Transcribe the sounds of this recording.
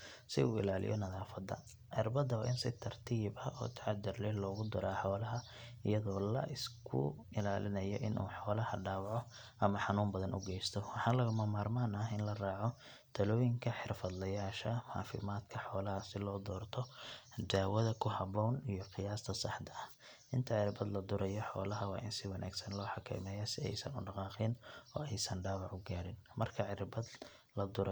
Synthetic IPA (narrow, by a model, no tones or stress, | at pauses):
sɪuːɪ̰laːlɪ̰jɔ̰nɐðaːfɐd̪ɐ̰ | ʕɑrbɐd̪ɐwʔɪnsɪt̪ʰɐrt̪ʰiːbɐɔ̰ːt̪ʰɐʕɑd̪ɪrlɛlɔːɣʊd̪ɔɾaːħɔːlɐɦɐ | ɪjɐðɔːlɐ̰ʔɪskʰʊ̰ | ɪlaːlɪnɐjɔ̰ʔɪnʔṵːħɔːlɐhɐ̰ɖaːwʕɔ | ʔɐmɐħɑnuːmbɐðɐnʔʊ̰ɡɛjst̪ʰɔwɑħɑːnlɐɣʊmɐmaːrmaːnɐɪnlɐraːʕɔ | t̪ʰɐlɔːjɪŋkʰɐħɪrfɐd̪lɐjaːʃɐħɑ̰ːfɪ̰maːd̪kʰɐħɔːlɐhɐsɪlɔːd̪ɔːrt̪ʰɔd̪aːwɐðɐkʰʊɦɐbɔːnijɔqɪjaːst̪ʰɐsɑħd̪ʰɐɐh | ʔɪnt̪ʰɐʕɪɾbɐd̪lɐd̪ʊɾɐjɔħɔ̰ːlɐɦɐwɑ̰ːʔɪnsɪwɑnʔa̰ːɡsɐnlɔːħɑkʰɐ̰ːmɛjɐsɪɛ̰jsɐnʊ̰ɖɑqɑːqɪːnɔ̰ːɛjsɐnɖaːwɑʕʊɡaːɾɪnmɐrkʰɐʕɪɾbɐd̪ | lɐd̪ʊɾ